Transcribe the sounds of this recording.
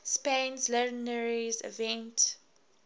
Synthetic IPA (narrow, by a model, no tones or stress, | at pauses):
spẽnzlɛnɛɹizḭvɛ̃nt